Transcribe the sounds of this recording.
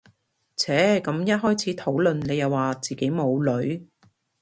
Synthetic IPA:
t͡sʰɛː˨˥kɐ˨˥mjɐ˥t̚ɦɔː˥jt͡sʰiː˨˥t̪ʰo˨˥wlɵ˨nne˨˧jɐ˨˩waː˨t͡siː˨ke˨˥jmo˨˧wlɵ˨˥ɥ

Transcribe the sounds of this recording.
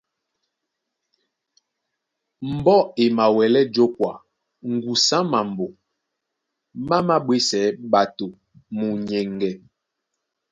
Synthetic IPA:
m̩˨bɔ˦e˨ma˨wɛ˨lɛ˦d͡ʒo˦kwa˨ | ŋ̩˨ɡu˨sã˦ma˨mbo˨ | ma˦ma˦ɓwe˦sɛ˨˦ɓa˨to˨ | mu˨ɲɛ˨ŋɡɛ˨

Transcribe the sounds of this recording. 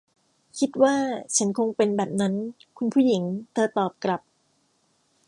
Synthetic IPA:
kʰi˦˥t̪̚waː˥˩t͡ɕʰa˦˥nkʰo˧ŋpe˧nbɛː˨˩p̚na˦˥nkʰu˧npʰu˥˩ji˩˦ŋt̪ʰɤː˧˩t̪ɔː˨˩p̚kɾa˨˩p̚

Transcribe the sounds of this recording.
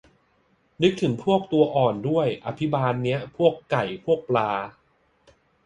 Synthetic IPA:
nɯ˦˥k̚t̪ʰɯ˩˦ŋpʰu˥˩ək̚t̪u˧ɐʔɔː˨˩ndu˥˩əjʔa˧pʰi˦˥baː˧nːi˦˥ɐpʰu˥˩əkːa˨˩jpʰu˥˩ək̚plaː˧

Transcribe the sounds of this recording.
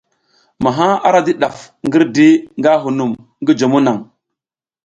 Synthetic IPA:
ma˨ɦa˦a˦ɾa˦di˦ɗa˨f | ŋɡi˦ɾdi˦ŋɡa˦ɦu˨nu˨m | ŋɡi˦d͡ʒo˨mu˦na˨ŋ

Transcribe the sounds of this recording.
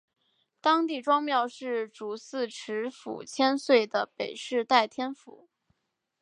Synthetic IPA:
t̪ɑ˥ŋt̪i˥˩ʈ͡ʂwɑ˥ŋmjɑ˥˧ʊʂɻ̩˥˩ʈ͡ʂu˨˧˩sɹ̩˥˩ʈ͡ʂʰɻ̩˧˥fṵ˨˩t͡ɕʰjɛ˥nswe˥˩ɪd̪ə˩pe˨˩ɪʂɻ̩˥˧t̪a˥˩ɪt̪ʰjɛ˥nfṵ˨˧˩

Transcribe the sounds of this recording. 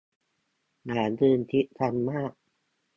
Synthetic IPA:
naː˩˦ndɯː˧nt̪ʰi˦˥ʔt̪ʰa˧nmaː˥˩k̚

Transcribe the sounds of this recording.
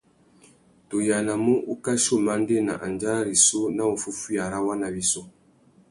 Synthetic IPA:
to˨ja˨na˨mu˦ʔu˦ka˦ʃo˦˨ma˦n˦de˦na̰˨ʔa˨nd͡ʒa˦ɾa˦ɾi˨so˦na˦o˨fu˦fu˦ja˨ɾa˦wa˦na˨bi˦so˦

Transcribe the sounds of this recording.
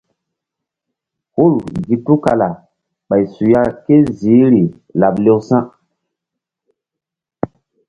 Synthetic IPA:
hu˦˨lɡi˨tu˦ka˨la˨ | ɓa˨jsu˨ja˦ke˦ziː˨˦ɾi˨ | la˨ble˦wsã˦

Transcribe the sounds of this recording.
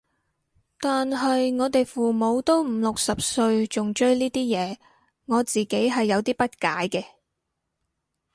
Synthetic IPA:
t̪aː˨nɦɐ˨jŋɔː˨˧˥t̪e˨jfuː˨˩mo˨˧wt̪o˥wm̩˨˧lʊ˨k̚sɐ˨p̚sɵ˧ɥt͡ʃʊ˨ŋt͡ʃɵ˥ɥliː˥t̪iː˥jɛː˨˧ | ŋɔː˨˧t͡siː˨ke˨˥jɦɐ˨jːɐ˨˧wt̪iː˥pɐ˥t̚kaː˨˥jkɛː˧

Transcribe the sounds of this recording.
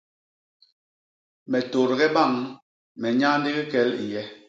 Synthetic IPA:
mɛ˨to˨ɾɡɛ˦ba˦˨ŋ | mɛ˨ɲa˦n̩˦di˦ɣi˦kɛ˨˦lḭ˨jɛ˦

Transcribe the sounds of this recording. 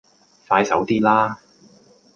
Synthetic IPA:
faː˧jsɐ˨˥wt̪iː˥laː˥

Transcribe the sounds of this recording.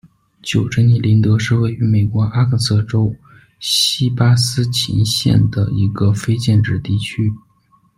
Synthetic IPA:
t͡ɕjo˨˩ʊʈ͡ʂʰə˥ŋni˧˥˩li˧˥nt̪ɤ˧˥ʂɻ̩˥˧we˥˩ɪy˧˥me˨˩ɪkwɔ˧˥ʔa˥kʰə˥˩sɤ˥˩ʈ͡ʂo˥ʊ | ɕi˥pa˥sɹ̩˥t͡ɕʰḭ˧˥ŋɕjɛ̰˥˩nd̪ə̰˩i˧˥ɡə˧fe˥ɪt͡ɕjɛ˥˧nʈ͡ʂɻ̩˥˧t̪i˥˩t͡ɕʰy˥

